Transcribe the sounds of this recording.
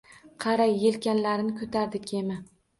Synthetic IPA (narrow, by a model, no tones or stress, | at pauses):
qʰɑɾajːelkʲanlaɾɪnɪkʰɵt̪ʰaɾd̪ɪkʲʰemɪ